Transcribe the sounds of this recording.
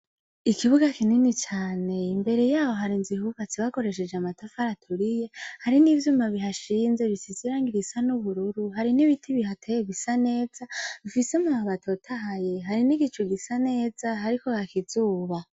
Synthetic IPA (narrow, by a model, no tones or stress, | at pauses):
ikiβuɡakininit͡ʃaːne̞imbe̞ɾe̞jaːwo̞ɦaɾinzihukat͡siβako̞ɾe̞ʃ̬e̞d͡ʒeamatafaɾatʰuɾije̞haɾinivjuːmaβiɦaʃiːnze̞βisiziɾaːŋɡiɾisanuβuɾuɾuɦaɾiniβitʰiβihatʰejeɡisane̞ːzaβifisemuaβatʰo̞tʰaɦaje̞ɦaɾiniɡit͡ʃuɡisane̞ːzaɦaɾiko̞kakizuːβa